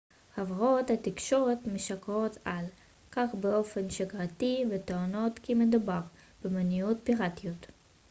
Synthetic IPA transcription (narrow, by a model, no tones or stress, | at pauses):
havʁothatikʃo̞ʁetmeʃakʁo̞t̪ʰal | kaχbeo̞fenʃaɡʁativet̪oono̞tkimed̪ubaʁ | b̥emaniut̚piʁatiot̪